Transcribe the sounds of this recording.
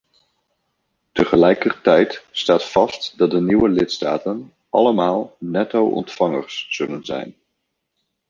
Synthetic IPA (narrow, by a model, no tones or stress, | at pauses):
təχəlɛjkərtɛjtstaːtfɑstdɑt̚dəniwəlɪtstaːtən | ʔɑləmaːlˠnɛtowʔɔ̰ntfɑŋə̰rsːɵlənzɛ̰jn